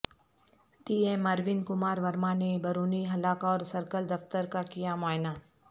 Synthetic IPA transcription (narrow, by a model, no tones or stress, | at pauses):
t̪iːemɐɾʋɪnkʊmaːɾʋɐɾmanebɐɾuːniɦɐlaːkɔːɾsɐɾkəld̪ɐft̪əɾkakijamaːɪnaː